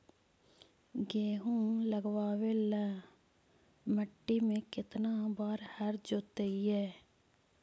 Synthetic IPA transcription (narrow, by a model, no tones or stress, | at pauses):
ɡeːɦũləɡwaːʋelɛ | məʈːimẽkɪt̪naːbaːɾhəɾd͡ʒoːt̪eiɛː